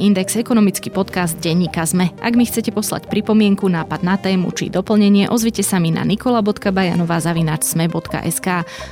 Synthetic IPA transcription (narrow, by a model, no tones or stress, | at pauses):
ind̪ɛksɛkɔnɔmit͡skipɔt̪kazd̪̚ɟɛɲːiːkazmɛʔa̰ɡmixt͡sɛcɛpɔsla̰cpɾipɔmɪɛŋkunaːpad̪̚nat̪ɛːmṵt͡ʃḭd̪ɔpl̩ɲɛɲɪɛʔɔzʋicɛsamina̰nikɔlabɔt̪kabaja̰nɔʋaːzaʋinaːt͡ʃz̥mɛbɔt̪ka̰ʔɛskaː